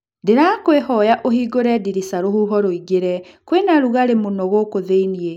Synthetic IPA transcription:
ndeɾakwehɔjaʔohiːɡoɾɛdiɾisaɾohuɦɔɾoiɡeɾɛ | kwenaɾuɣaɾemonɔɣokoðeinie

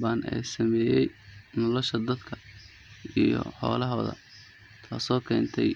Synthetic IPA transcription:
baːnʔɛ̰ːsɐmɛːjɛjnɔlɔʃɐd̪ɐd̪kʰɐ | ijɔ̰ħɔ̰ːlɐɦɔːðɐ̰ | t̪ʰaːsɔːkʰɛːnt̪ʰɛj

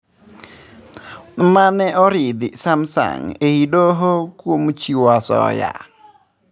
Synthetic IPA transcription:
manɛʔɔɾɪd̪ɪsamsa̰ŋehidoɦokwomt͡ʃiwasɔ̰ja̰

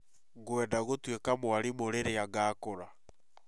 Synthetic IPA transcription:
ɣoɛdaɣotwekamwaɾimoɾeɾeaɡaːkoɾa

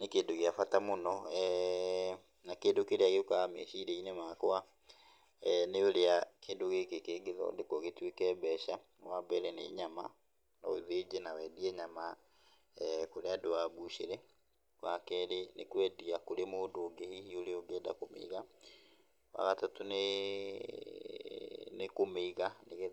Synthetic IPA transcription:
nekeːndoɣeafatamonɔɛ | nakeːndokeɾeaɣeokamḛʃiːɾeinemakoa | neoɾeakeːndoɣekekeɡeðɔ̰ndekɔɣetwekɛbɛʃa | wabɛɾɛnḛɲama̰ | na̰eðed͡ʑenawɛdiɛɲama | koɾeadowaβuʃeɾɛ | wakɛɾenekwɛdiakoɾemoːdoːɡehihioɾeoɡɛːda̰komḛiɣa | wa̰ɣatatone | nekomeiɣaneɣ

